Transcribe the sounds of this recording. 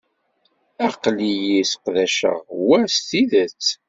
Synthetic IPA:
æqlijisqðæʃə̰ʁwæɾst̪iðət͡sː

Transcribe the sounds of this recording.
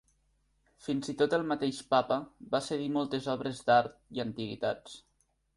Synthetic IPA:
finzit̪ot̪əlˠmət̪eʃpapəβaseðimɔlˠt̪ezɔβɾezd̪aɾt̪̚iənt̪iɣ̞ḭt̪at͡s

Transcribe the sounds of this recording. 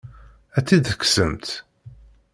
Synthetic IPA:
æt͡sːiðəkːsəmt̪

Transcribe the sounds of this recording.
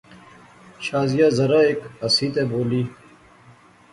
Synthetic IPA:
ɕaːzijazɐɾaekɐsiːt̪eboːliː

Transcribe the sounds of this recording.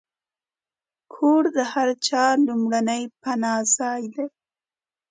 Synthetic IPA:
kʰoɽd̪əhaɾt͡ʃɑlumɽanəjpanɑzɑjd̪e

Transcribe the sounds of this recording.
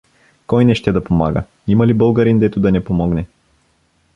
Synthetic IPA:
kɔjnɛʃt̪ɛd̪ɐpoma̰ɡə̰ | imɐlibɤlˠɡɐɾind̪ɛt̪ʊd̪ɐnɛpomɔɡnɛ

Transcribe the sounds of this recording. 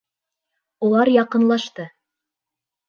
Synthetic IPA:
ulˠɑɾjɑqɤ̆nlˠɑʃt̪ɤ

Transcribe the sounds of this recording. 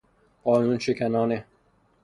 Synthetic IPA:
ɢɒːnunʃekʰænɒːne

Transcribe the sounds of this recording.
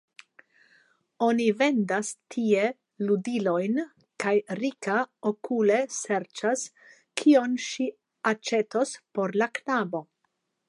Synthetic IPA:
o̞nive̞ndastʰie̞ | ludilo̞jn | kajɾikaokule̞seɾt͡ʃas | kʰio̞nʃi | at͡ʃe̞to̞spo̞ɾlaknabo̞

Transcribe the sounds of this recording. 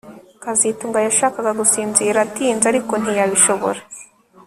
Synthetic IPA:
kazituŋɡajaʃaːkaɡaɡusiːnziɾatiːnzaɾiko̞n̥ijaβiʃo̞βo̞̰ɾe

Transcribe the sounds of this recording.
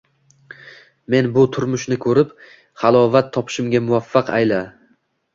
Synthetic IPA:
me̞nbʊt̪ʰʊɾmʊʃnɪkʰɵɾɪp | χalˠɒvat̪ʰːɒpʰɪ̥ʃɪmɡʲamʊvafːɑqa̰jla

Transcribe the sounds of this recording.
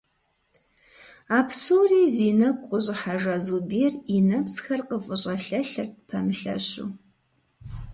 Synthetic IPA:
aːpsowriːziːnɐkʷʼqʷʼʊɕʼɪħaʒɐzuːbeːrinɐpsxɐrqəfʼəɕʼɐɬɐɬɐrt̚pʰɐmɨɬɐ̰ɕṵː

